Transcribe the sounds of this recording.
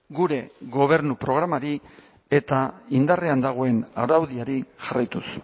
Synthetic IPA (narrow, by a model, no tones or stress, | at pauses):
ɡuɾe̞ɣo̞β̞e̞ɾnupɾo̞ɣ̞ɾamaɾi | e̞t̪aind̪areand̪aɣ̞o̞e̞na̰wɾawðiaɾiʝarajt̪us